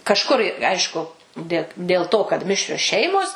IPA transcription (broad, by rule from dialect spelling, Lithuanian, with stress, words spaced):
kɐʃˈkʊr ɪ ˈɐɪʃkʊ dʲeː dʲeːlˠ ˈtoː kɐt ˈmʲɪʃʲrʲoːs ˈʃʲɛɪmoːs